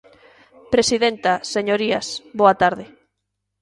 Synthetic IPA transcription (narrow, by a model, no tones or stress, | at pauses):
pɾesiðent̪aseɲoɾiasboat̪aɾðɪ